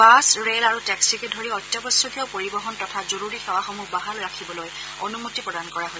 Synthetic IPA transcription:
basɹelaɹutɛksikedʱoɹiɔtjɔbɔsɔkiɔpoɹibɔɦɔntɔtʰazoɹuɹixɛwaxɔmuɦbaɦalɹakʰibɔloj | onumutipɹɔdankɔɹaɦosɛ

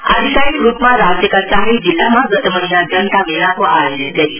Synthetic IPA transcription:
ə̰d̪ʱikaɾikɾupmaɾad͡ʑjəkat͡saɦid͡ʑilːamaɡət̪əməɦinad͡zənt̪aʋinakoʔaɦet̪ja

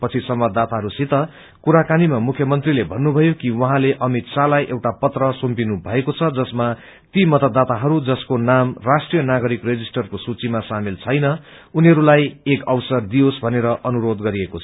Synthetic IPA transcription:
pʌt͡sʰisʌmbad̪ːat̪aɦʌɾusit̪ʌ | kuɾakanimamukʰjʌmʌnt̪rilebʱʌnːubʱʌjokiwʌɦãleʔʌmit̪salajʔewʈapʌt̪rʌsompinubʱʌekot͡sʰʌd͡zʌsma | t̪imʌt̪ʌd̪ːat̪aɦʌɾud͡zʌskonamrasʈrijʌnaɡʌɾikred͡zisʈʌrkosut͡simasamilt͡sʰʌjnʌ | uniɦʌɾulajekʌwsʌrd̪iosbʱʌneɾʌʔʌnuɾod̪ɡʌɾiekot͡sʰʌ

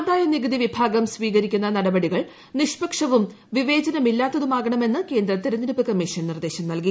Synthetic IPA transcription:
and̪aːjonːiɡɐd̪iʋibʱaːɡɐmsʋiːɣɐɾikʲːunːɐnɐɽɐbɐɽiɣɐɭ | niʂpɐkʂɐʋum | ʋiʋe̞ːd͡ʑɐnɐmilːaːt̪ːɐðumaːɣɐɳɐme̞nːɨke̞ːnd̪ɾɐt̪iɾɐniɾupːɨkɐmːiʂɐnnird̪e̞ːɕɐmnɐlki

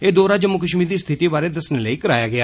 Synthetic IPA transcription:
eːd̪oːɾaːd͡ʒəmːʊkəʃmiːd̪iːst̪ʰɪʈiːbaːɾeːd̪əsneːləiːkəɾaːjaːɡɪaː

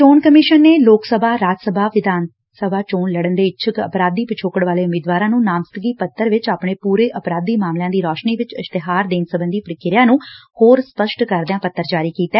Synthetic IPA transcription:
t͡ʃoːɳkəmɪʃənːeːloːksəbʱaːɾaːd͡ʒəsəbʱaːʋɪd̪ʱaːn | səbʱaːt͡ʃoːnləɽənd̪eːɪt͡ʃʰəkə̰pɾaːd̪iːpɪt͡ʃʰoːkəɽʋaːleːʊmeːd̪ʋaːɾãːnũːnaːmst̪əɡiːpət̪ːəɾʋɪt͡ʃaːpɳeːpuːɾeːʔəpɾaːd̪iːmaːmljãːd̪iːɾɔːʃniːʋɪt͡ʃɪst̪eɦaːɾd̪eːnsəbənd̪iːpɾɪkɪɾɪjãːnũːhoːɾspəʃʈkəɾd̪ãːpət̪ːəɾd͡ʒaːɾiːkiːt̪ɛː

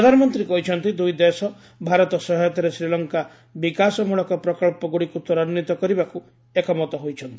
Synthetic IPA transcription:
pɔd̪ʱanɔmɔnt̪ɾikɔɦit͡ʃʰɔnt̪id̪ujd̪esɔ | bʱaɾɔt̪ɔsɔɦɔjɔt̪ɔɾesɾilɔŋka | bikasɔmuɭɔkɔpɾɔkɔɭpɔɡuɽikut̪ɔɾanːit̪ɔkɔɾibaku | ekɔmɔt̪ɔɦojt͡ʃʰɔnt̪i

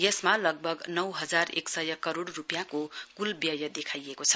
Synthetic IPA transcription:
jʌsmalʌɡ̚bʱʌɡnʌwɦʌd͡zarḛksʌjʌkʌɾoɽːupjãkokulbjʌjʌd̪ekʰajekot͡sʰʌ̥

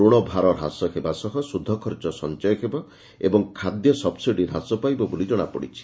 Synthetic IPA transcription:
uɽ̃ɔbʱaɾɔɾɦa̰sɔkebasɔɦɔsud̪ʱːɔkʰɔɾd͡ʒɔsɔnt͡ʃɔjɔkʰebɔ | ebɔŋkʰad̪jɔsɔbsiɖiɾɦasɔpajbɔbolid͡ʒɔɽ̃apɔ̰ɽḭt͡ʃʰi̥

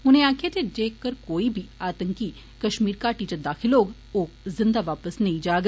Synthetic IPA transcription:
ʊnẽaːkʰjeːt̪ed͡ʒeːkəɾkoːiːbʱiaːt̪əŋki | kəʃmiːɾkaːʈiːt͡ʃəd̪aːkʰɪloːɡ | oː | zɪ̃nd̪aːʋaːpəsnəĩːd͡ʒaːɡ

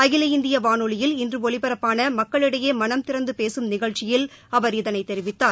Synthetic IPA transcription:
ɐɣɪlɐɪnd̪ɪjɐʋaːnɯɭɪjɪlɪndrɯɔɭɪpɐɾɐpːaːnɐmɐkːɐɭɪɽɐjeːmɐnɐmt̪ɪɾɐnd̪ɯpeːsɯmnɪɣɐɻt͡ʃːɪjɪl | ɐʋɐɾɪðɐnɐɪt̪ːɛɾɪʋɪt̪ːaːɾ

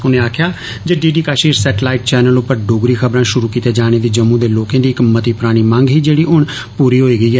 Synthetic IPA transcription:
ʊnẽːaːkʰjaː | d͡ʒeɖiːɖiːkaːʃiːɾsɛːʈlaːɪʈt͡ʃɛːnəlʊpəɾɖoːɡɾiːkʰəbɾãːʃʊɾuːkiːt̪eːd͡ʒaːɽ̃eːd̪iːd͡ʒəmũːd̪eːloːkãːd̪iːɪkmət̪iːpɾaːɽ̃iːmãːŋɡɦiːd͡ʒeːɽiːʊɳ | puːɾiːɦoːiːɡəiːɛː

